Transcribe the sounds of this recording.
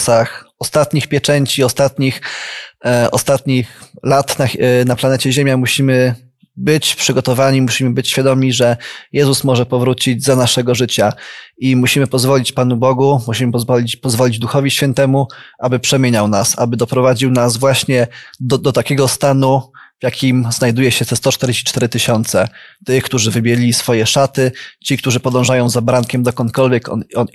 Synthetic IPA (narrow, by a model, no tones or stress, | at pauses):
saxɔst̪at̪ɲixpʲjɛt͡ʂɛɲt͡ɕiɔst̪at̪ɲix | ɔ̰st̪at̪ɲixlat̪nanaplanɛt͡ɕɛʑemʲjamuɕimɘ | bɘt͡ɕpʂɘɡɔt̪ɔvaɲimuɕimɘbɘt͡ɕɕfʲjad̪ɔmʲɲiʐɛjɛzusmɔʐɛpɔvɾut͡ɕid͡ʑzanaʂɛɡɔʐɘt͡ɕaimuɕimɘpɔzvɔlʲit͡ɕpan̪ubɔɡumuɕimɘpɔzvɔlʲipɔzvɔlʲid͡ʑd̪uxɔvʲiɕfʲjɛn̪t̪ɛmuʔabɘpʂɛmʲjeɲawnasabɘd̪ɔpɾɔvad͡ʑiwnazvwaɕɲɛd̪d̪ɔt̪akʲɛɡɔst̪anu | vjakʲimznajd̪ujɛɕɛt̪ɛst̪ɔt͡ʂt̪ɛɾd͡ʑeɕt͡ɕit͡ʂt̪ɛɾɘt̪ɘɕɔn̪t̪sɛt̪ɘxkt̪uʐɘvɘbʲjɛisfɔjɛʂat̪ɘt͡ɕikt̪uʐɘpɔd̪ɔ̃w̃ʐajɔ̃w̃zabɾaŋkʲɛmd̪ɔkɔnt̪kɔlvʲjɛkɔ̰nɔn